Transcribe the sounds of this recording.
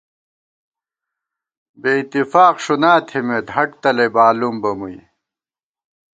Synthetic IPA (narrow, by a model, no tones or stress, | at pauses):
beit̪ːifaːqʂunaːt̪ʰimet̪ɦɐʈ̚t̪ɐlebaːlumbɐmuj